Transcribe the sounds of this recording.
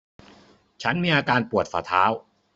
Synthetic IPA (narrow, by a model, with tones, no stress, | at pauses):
t͡ɕʰa˦˥nmiː˧ʔaː˧kaː˧npu˨˩ət̪̚faː˧˩t̪ʰaː˦˥w